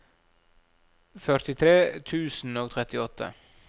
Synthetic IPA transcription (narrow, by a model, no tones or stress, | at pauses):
fœɾt̪ɪt̪ʰɾeːt̪ʰʉːsn̩oːɡt̪ʰɾɛt̪ɪɔt̪ʰːə̰